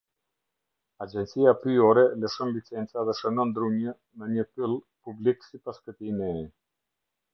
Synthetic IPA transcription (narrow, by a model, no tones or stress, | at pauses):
ad͡ʒɛnt͡siapɾyɔɾɛləʃɔnlit͡sɛnt͡saðɛʃənɔnd̪ɾumjə | nəɲəpilˠ | publiksipaskət̪imɛ